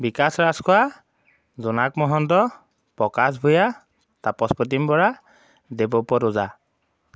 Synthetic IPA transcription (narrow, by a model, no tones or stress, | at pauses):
bikasɹaskɔa | zunakmɔɦɔntɔ | pɹɔkas̬bʱuja | tapɔspɔt̬impɔɹa | debɔpɔɾʊza